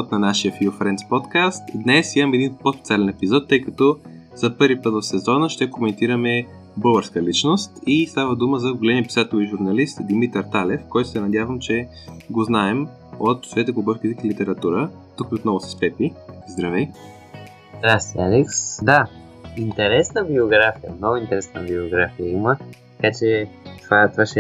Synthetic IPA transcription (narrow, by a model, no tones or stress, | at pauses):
t̪nɐnaʃiəfiofɾɛnt̪spɔt̪kast̪d̪nɛsimɐmɛd̪inpospɛt̪sʲalɛnɛpizɔt̪ːɤjkɐt̪ɔ | z̥ɐpɤɾvipɤt̪vosɛzɔnəʃt̪ɛkomɛnt̪iɾəmɛ | bəlˠɡəɾskəlit͡ʃnost̪ist̪avəd̪uməzɐɡolɛniəpisat̪oliʒuɾnɐlist̪d̪imit̪əɾt̪alɛfkɔjt̪o̥sɛnɐd̪ʲjavəmt͡ʃɛ | ɡoznaɛm | ot̪svɛt̪ɛɡobɔfkit̪ɛkilit̪ɛɾɐt̪uɾə | t̪ukiot̪nɔvʊsɛ̥spɛpizd̪ɾɐvij | zd̪ɾast̪ialɛksd̪a | int̪ɛɾɛsnəbioɡɾafijə̰mnɔɡʊint̪ɛɾɛsnəbioɡɾafijəimətt̪ɐkat͡ʃɛt̪ovat̪ovaʃɛ